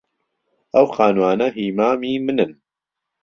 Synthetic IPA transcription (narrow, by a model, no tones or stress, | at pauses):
ʔɐwxaːnwaːnɐɦiːmaːmiːmɨnɨn